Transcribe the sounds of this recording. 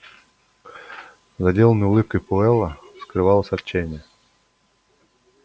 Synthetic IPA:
zɐdʲelˠənəjʊlˠɨp̚kəjpʊɛlˠəskɾɨvɑlˠəsʲɐt̪t͡ɕːenʲɪjə

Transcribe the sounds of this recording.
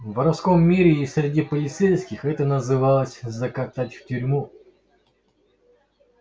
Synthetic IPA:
vəɾɐfsko̞mːʲiɾʲɪːsʲɾʲɪdʲipəlʲɪt̪sɛjskʲɪxɛt̪ənəzɨvalˠəsʲzəkɐt̪atʲftʲʏɾʲmu

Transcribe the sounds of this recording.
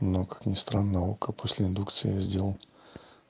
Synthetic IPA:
nokḁknʲɪst̪ɾanːəjokəpʰosʲlʲɪɪnd̪ukt̪sɨ̰j̰jazʲdʲelˠəlˠ

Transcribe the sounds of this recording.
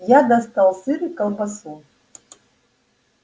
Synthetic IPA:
jad̪ɐst̪alˠsɨɾɨkɐlˠbɐsu

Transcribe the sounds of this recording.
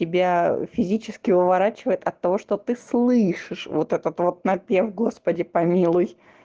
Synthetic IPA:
tʲɪbʲafʲɪzʲit͡ɕɪskʲɪʊvɐɾat͡ɕɪvəjɪt̪ɐt̪ːɐvo̞ʂt̪ot̪ɨslˠɨʂɨʂvo̰t̪ɛt̪ət̪vo̞t̪̚nɐpʲevɡo̞spədʲɪpɐmʲilˠʊj

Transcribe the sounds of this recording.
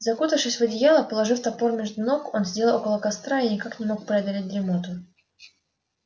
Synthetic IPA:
zɐkut̪əfʂɨsʲvədʲɪjalˠəpəlˠɐʐɨft̪ɐpo̞rmʲɪʐd̪ʊnoko̞nzʲdʲeəo̞kəlˠəkɐst̪ɾainʲɪkaknʲɪmo̞k̚pɾʲɪɐd̪ɐlʲet̚ʲd̪ɾʲɪmot̪ʊ

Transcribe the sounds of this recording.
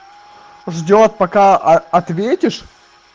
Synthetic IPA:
ʐdʲot̪̚pɐkaɐt̪vʲetʲɪʂ

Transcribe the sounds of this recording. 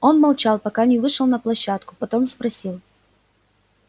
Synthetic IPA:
o̞nmɐlˠt͡ɕalˠpɐkanʲɪvɨʂəlˠnɐplˠɐɕːat̪kʊ̥pɐt̪omspɾɐsʲilˠ

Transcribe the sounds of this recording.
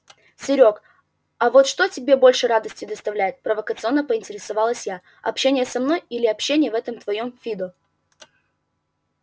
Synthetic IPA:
sʲɪɾʲo̞k | ɐvot̪ʂt̪otʲɪbʲe̞bo̞lʲʂɨɾad̪əsʲtʲʊd̪əst̪ɐvlʲæjɪt̪̚pɾəvəkət̪sɨo̞nːəpəɪnʲtʲɪɾʲɪsɐvɑlˠəsʲja | ɐ̰pɕːenʲɪjəsɐmno̞jilʲɪɐpɕːenʲɪjəvɛt̪əmt̪vɐjomfʲid̪ʊ

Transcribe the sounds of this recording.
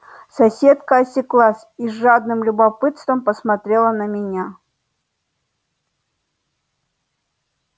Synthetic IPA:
sɐsʲet̪kəːsʲɪklˠasʲiʐad̪nɨmlʲʊbɐpɨt̪st̪vəmpəsmɐt̪ɾʲelˠənəmʲɪnʲa

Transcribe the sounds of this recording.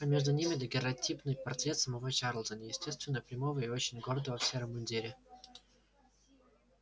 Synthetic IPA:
mʲeʐd̪ʊnʲimʲɪd̪əɡʲɪɾɐtʲipnɨjpɐrt̪ɾʲet̪səmɐvot͡ɕaɾlˠt̪ənʲəjɪsʲtʲe̞st̪vʲɪnːəpɾʲɪmovəɪot͡ɕɪnʲɡord̪əvəfsʲeɾəmʊnʲdʲiɾʲɪ

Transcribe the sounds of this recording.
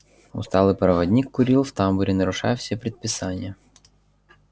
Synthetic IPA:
ʊ̰st̪ɑlˠɪpɾɐʋɐdʲnʲikːʊɾʲilˠwt̪ɑmbʊɾʲinɐɾʊʃɑ̰wsʲɐpɾʲid̪̚pɪsɑnʲːɐ

